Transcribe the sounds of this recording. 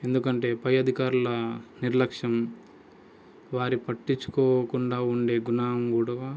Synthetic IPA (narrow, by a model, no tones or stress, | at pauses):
e̞nd̪ukɐɳʈe̞ːpɐjɐd̪ʱikaːɾulɐniɾlɐkʂjɐm | ʋaːɾipɐʈːiɲt͡ʃːu̥koːkuɳɖaːuɳɖe̞ːɡunaːɐmɡuːɽaː